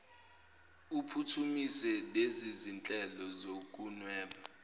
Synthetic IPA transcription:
upʰutʰumisɛlezizint͡ɬʼɛlɔzok̬ʼunwɛːɓa

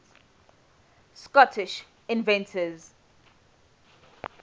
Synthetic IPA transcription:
skɔtʰɪʃ | ɪ̃nvɛ̃ntʰəz

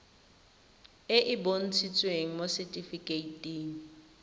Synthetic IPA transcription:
ɪʔɪbon̩t͡sʰit͡sʼweŋ̩mosɛtʼifikʼeitʼiːŋ̩

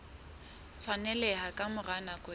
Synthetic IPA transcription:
t͡sʰwanɛlɛhakʼamʊranakʼʊ

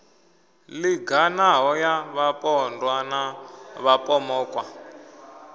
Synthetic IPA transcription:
liɡanaɦɔjaβapʼɔndwanaβapʼɔmɔːkʼwa

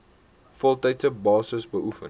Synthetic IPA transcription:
fɔlˠtɛjtsəbɑːsəsbəʔufə̰n

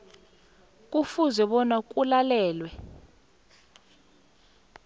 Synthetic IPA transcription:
k̬ʼufuzɛɓɔnak̬ʼulalɛːlwɛ

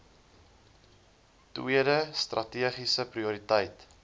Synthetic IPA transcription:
twiəɾəstrʔɐtiəχisəpriuɾitəjt

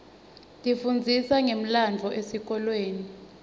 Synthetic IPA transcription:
dʱʼifund͡zʱisaŋem̩land͡vʱɔʔesik̬ɔlweːni

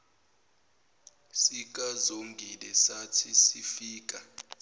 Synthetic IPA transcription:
sik̬ʼazoŋɡʱilɛsatʰisifiːk̬ʼa

